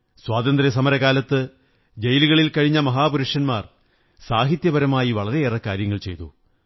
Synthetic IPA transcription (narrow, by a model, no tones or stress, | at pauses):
swaːd̪ɐnd̪ɾjɐs̬ɐmɐɾɐɣaːlɐt̪ːɨ | d͡ʑe̞jluɣɐɭilkɐɻiɲːɐmɐɦaːpuɾuʂɐnmaːr | saːɦit̪jɐbɐɾɐmaːjiʋɐɭɐɾe̞eːrɐkːaːɾjɐŋːɐɭt͡ɕe̞̰jt̪ṵ